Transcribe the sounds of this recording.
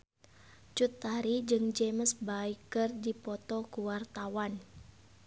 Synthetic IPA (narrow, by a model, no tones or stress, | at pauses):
t͡ʃut̪ːaɾid͡ʒɨŋd͡ʒeməsbaikərdipɔt̪ɔkuwart̪awan